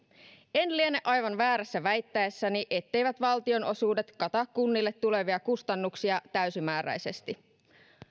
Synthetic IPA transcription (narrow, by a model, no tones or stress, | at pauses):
e̞nlienːeʔɑjʋɑnʋæːɾæsːæʋæjt̪ːæesːæniʔet̪ːe̞jʋæt̪ʋɑlt̪io̞no̞suːde̞t̪kɑt̪ɑkːunːilːe̞t̪ːule̞ʋiɑkust̪ɑnːuksiɑt̪æysimæːɾæ̰jse̞st̪i